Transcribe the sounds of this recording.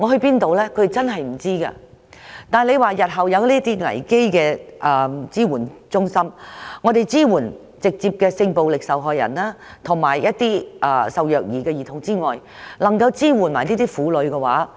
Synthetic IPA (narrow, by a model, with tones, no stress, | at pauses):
ŋɔː˨˧ɦɵ˧ɥpiː˥nt̪o˨wlɛː˥kʰɵ˧˥ɾe˨t͡sɐ˥nɦɐ˨jm̩˨˩t͡siː˥ɡɐ̰ː˧ | t̪aː˨˩nle˨˧jwaː˨jɐ˨t̚ɦɐ˨wjɐ˨˧wliː˥t̪iː˥ŋɐ̰˨˩jke˥jkɛː˧ʔɛ˧˩t͡siː˥wuː˨˩nt͡sʊ˥ŋsɐ˥mŋɔː˨˧t̪e˨jt͡siː˥wuː˨˩n | t͡sɪ˨k̚t͡siː˧p̚kɛː˧sɪ˧ŋpo˨wlɪ˨k̚sɐ˨wɦɔː˨jɐ̰˨˩naː˥t̪ʰʊ˨˩ŋmaː˨˩jjɐ˥t̚t̪iː˥ʔɐː˧sɐ˨wjœː˨k̚jiː˨˩kɛː˧jiː˨t̪ʰʊ˨˩ŋt͡siː˥ŋɔː˨jlɐ˨˩ŋkɐ˧wt͡siː˥wuː˨˩nmaː˨˩jniː˥t̪iː˥fuː˨˥lɵ˨˧ɥkɛ˧waː˨˥